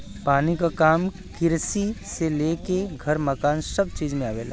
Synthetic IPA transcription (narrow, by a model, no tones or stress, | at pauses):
paːnikakaːm | kɪɾsiseleːkeɡʱɐɾmɐkaːnsɐb̚t͡ʃiːd͡ʒmẽaːʋeːla̰ː